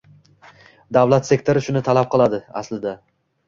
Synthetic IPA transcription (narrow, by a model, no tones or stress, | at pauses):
d̪awlat̪se̞k̚t̪ʰoɾɪʃʊnɪt̪ʰalap̚qʰɨlˠad̪ɪa̰slɪd̪a